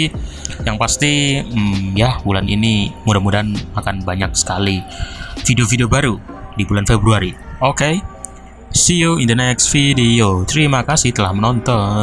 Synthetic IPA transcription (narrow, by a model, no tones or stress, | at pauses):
jaŋpast̪i | jabulanḭnimudamudanmakanbaɲak̚sə̥kalifideofideobaɾu | dibulanfebɾuaɾioke | sioind̪ənɛksfidiot͡ʃəɾimakasɪht̪əlahmənɔnt̪ɔ